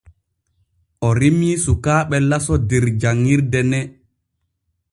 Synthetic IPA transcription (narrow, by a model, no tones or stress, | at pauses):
ʔɔɾimisukaːɓɛlasɔdɛɾd͡ʒaŋːiɾdɛnɛ